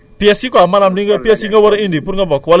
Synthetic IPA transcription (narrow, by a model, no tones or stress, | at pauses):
piɛsikɔamalamniŋəpiɛsiŋəwəɾeindipʊɾŋəpɔkwal